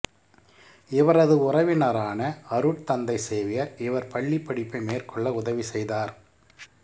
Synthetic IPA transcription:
ɪʋɐɾɐðɯʊrɐʋɪnɐɾaːnɐɐɾɯʈ̚t̪ɐnd̪ɐɪseːʋɪjɐɾɪʋɐɾpɐɭːipːɐɽɪpːɐɪmeːrkʰɔɭːɐʊðɐʋisɛjðaːɾ

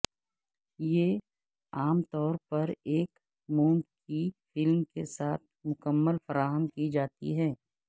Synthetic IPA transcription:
jeː | aːmt̪ɔːɾpɐɾeːk | muːmkifɪlmkesaːt̪̚ʰmʊkəmːəlfɐɾaːɦəmkid͡ʒaːt̪ḭɦɛː

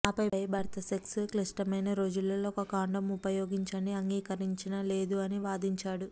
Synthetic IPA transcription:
aːpɐjɐjbʱɐɾt̪ɐseksuklisʈɐmɐjnɐɾo̞ːd͡ʒulːɐloɔkɐkaːɳɖɐmupɐjoːɡiɲt͡ʃɐniɐŋɡiːkɐɾiɲt͡ʃinɐle̞ːd̪uɐniʋaːd̪iɲt͡ʃaːɽu

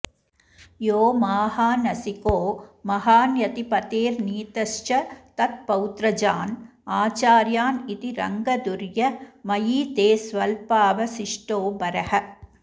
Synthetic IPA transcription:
joːmaːhaːnɐsɪkoːmɐhaːnjɐt̪ipɐt̪eːɾniːt̪ɐʂt͡ʃɐt̪ɐt̪̚pɐwt̪ɾɐd͡ʒaːn | aːt͡ʃaːɾjaːnɪt̪iɾɐ̰ŋɡɐd̪ʊɾjɐmɐjiːt̪eːsʋɐlpaːʋɐsɪʂʈoːbɐɾɐhɐ

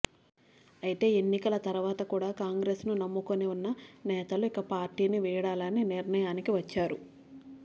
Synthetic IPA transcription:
ɐjit̪e̞ːenːikɐlɐt̪ɐɾuʋaːt̪ɐkuːɽaːkaːŋɡɾe̞ːsnunɐmːukoniunːɐnɛːt̪ɐluikɐpaːɾʈiːniʋiːɽaːlɐniniɾnɐjaːnikiʋɐt͡ʃːaːɾu

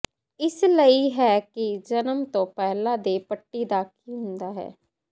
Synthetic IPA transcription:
ɪsləiːɦɛːkid͡ʒənəmt̪õːpɛɦlãːd̪eːpəʈːiːd̪aːkiːɦʊ̃nd̪aːɦɛ̰ː

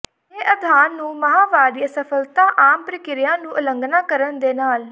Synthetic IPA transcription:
eːʔəd̪ʱaːnːũːməɦaːʋaːɾisəpʰəlt̪aːʔaːmpɾəkɪɾɪjãːnũːʔələŋɡnaːkəɾənd̪eːnaːl

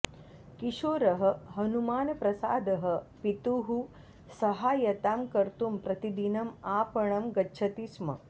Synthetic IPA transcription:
kiʃoːɾɐɦɐ̆ɦɐnumaːnɐpɾɐsaːd̪ɐɦə̆pit̪uɦu | sɐɦaːjɐt̪aːmkɐɾt̪umpɾɐt̪id̪inɐmaːpɐɳ̃ɐmɡɐtːt͡ʃʰɐt̪ismɐ̰

